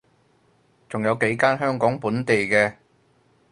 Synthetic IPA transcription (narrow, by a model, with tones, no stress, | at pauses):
t͡sʊ˨ŋjɐ˨˧wke˨˥jkaː˥nɦœː˥ŋkɔː˨˥ŋpuː˨˥nt̪e˨jkɛː˧